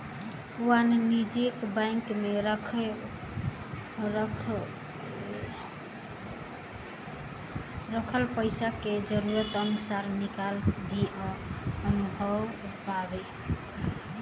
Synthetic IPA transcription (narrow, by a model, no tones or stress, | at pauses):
uannid͡ʒekbaŋkmeɾʰ | ɾəkʰəlpəɪsaked͡ʒəɾuɾət̪ənusaɾnikalbʱi | ənubʱəbpabe